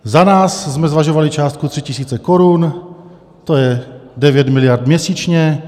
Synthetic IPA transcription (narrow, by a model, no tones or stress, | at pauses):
zanaːszmɛzʋaʒɔʋalit͡ʃaːst̪̚kut̪ɾicisiːt͡sɛkɔɾuːn | t̪ɔjɛɟɛʋjɛɟmilɪaɾd̪mjɛsiːt͡ʃɲɛ